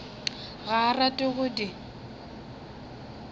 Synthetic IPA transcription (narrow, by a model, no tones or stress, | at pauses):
ɣaratʼɪɣʊdɪ